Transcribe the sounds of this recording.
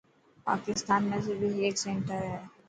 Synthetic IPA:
pa̰ːkɪst̪aːnmẽsebʱieːksɛ̃ɳʈəɾɦɛː

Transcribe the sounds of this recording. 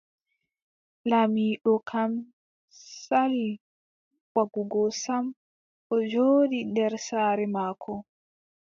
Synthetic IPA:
lamiːɗɔkʰam | sali | waɡuɡɔsam | ʔɔd͡ʒoːdindɛɾsaːɾɛmaːkʰɔ

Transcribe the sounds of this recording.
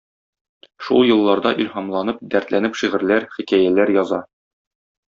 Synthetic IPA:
ʃulˠjɤ̆lˠːɑɾd̪ɑʔilhɑmlˠɑnɤp̚d̪æɾt̪lænɘpʃiʁɘ̆ɾlæɾχikæjælæɾjɒzɑ

